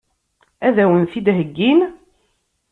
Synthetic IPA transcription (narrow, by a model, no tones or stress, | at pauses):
æðæwənθid̪ɦəɡːin